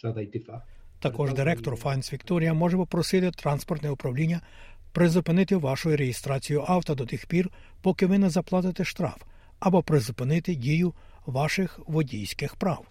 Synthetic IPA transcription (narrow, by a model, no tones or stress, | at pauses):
d̪jt̪ | t̪ɐkɔʒd̪ɪɾɛk̚t̪ɔrfɑnsʋʲikt̪ɔɾʲijɐmɔʒɛpɔpɾɔsɪt̪ɪt̪ɾɑnspɔrt̪nɛʊpɾɐwlʲinʲːɐ | pɾɪzʊpɪnɪt̪ɪʋɑʃʊjʊɾejɪst̪ɾɑt͡sʲijʊʔɑwt̪ɐd̪ɔt̪ɪxpʲir | pɔkɪʋɪnɛzɐplˠɑt̪ɪt̪ɪʃt̪ɾɑ̰f | ɐbɔpɾɪzʊpɪnɪt̪ɪdʲijʊ | ʋɑʃɪxʋɔdʲijsʲkɪxpɾɑw